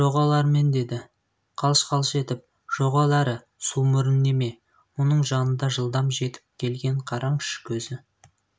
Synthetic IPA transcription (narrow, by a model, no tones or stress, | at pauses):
ʒ̥o̞ʁɑlˠɑɾme̞nd̪e̞d̪ɪ | qʰɑlˠəʃqʰɑlˠəʃe̞t̪ɪp̚ | ʒ̥oʁɑlˠɑɾə | sumʏɾɪnːe̞me̞ | wo̞nəɴʒɑnənd̪ɑʒəlˠd̪ɑmʒe̞t̪ɪ̥p̚kʲʰe̞lɡʲe̞ɴqʰɑɾɑɴɪʃkʲʰɵzɪ